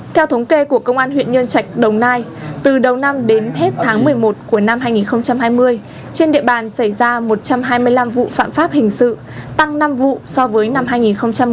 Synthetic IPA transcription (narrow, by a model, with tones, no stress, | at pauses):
t̪ʰɛ˧wt̪ʰə˨˦wŋ͡mke˧ku˧˩əkə˧wŋ͡mʔaː˧nhwḭ˧˨nɲə˧nt͡ɕa˨˩jk̟̚ɗə˨˩wnaː˧jt̪ɨ˨˩ɗə˨˩wna˧mɗe˨˦nhe˦˥t̚t̪ʰaː˨˦ŋmɨ˨˩əjmo˨˩t̚ku˧˩əna˧mɦaː˧jŋi˨˩nxə˧wŋ͡mt͡ɕa˧mɦaː˧jmɨ˧əj | t͡ɕe˧nɗḭ˧˨əɓaː˨˩nsa˧˩jzaː˧mo˨˩t̚t͡ɕa˧mɦaː˧jmɨ˧əjla˧mvṵ˧˨fa̰ː˧˨mfaː˦˥p̚hï˨˩ŋ̟sɨ̰˧˨ | t̪a˧ŋna˧mvṵ˧˨sɔ˧vəː˨˦jna˧mɦaː˧jŋi˨˩nxə˧wŋ͡mt͡ɕa˧m